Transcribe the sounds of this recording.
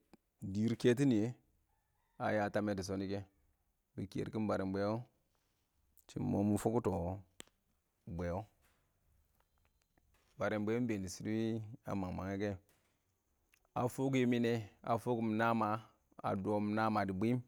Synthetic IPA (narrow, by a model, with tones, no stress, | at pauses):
di˨ɾke˦t̬i˦ni˨je˦ | a˨ja˨ta˦me˦ti˨s̬o˦ni˦ke˦ | bḭ˨ki˨ḛ˨ɾki˦nba˨ɾi˨mbe˨˦jo˦ | t͡ʃḭ˨mmo˦mu˦fu˦ku˦to˨ | bʷe˨jo˦ | ba˨ɾe˨mbʷe˦o˦be˨ni˨si˦ɾi˦a̰˨ma˨ŋma̰˨ŋe˦ke˦ | a˨fu˦k̬i˦mi˦ne˦a̰˨fu˦ku˦m˨na˦ma˨ | a̰˨do˨˦m˨na˦ma˨di˨bi˦m